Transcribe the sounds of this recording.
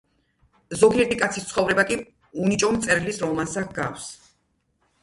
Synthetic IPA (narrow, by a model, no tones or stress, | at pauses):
zɔɡiɛɾt̪ʰikʼat̪sʰist̪sʰχɔvɾɛbakʼi | unit͡ʃʼɔmt̪sʼɛɾilisɾɔmansakɡafs